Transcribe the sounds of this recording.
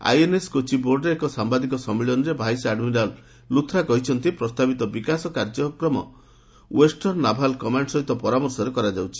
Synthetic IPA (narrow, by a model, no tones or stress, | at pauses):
a̰jeneskot͡ʃiboɾɖeekɔsambad̪ikɔsɔmːiɭɔnɔɾebʱajsaɖminalː | ut̪ʰːɾakɔɦit͡ʃʰɔnt̪ipɾɔst̪abit̪ɔbikasɔkaɾd͡ʒɔkɾɔmɔ̰ | wesʈɔɾnabʱalkɔmaɳɖsɔɦit̪ɔpɔɾamɔɾsɔɾekɔɾad͡ʒawt͡ʃʰi̥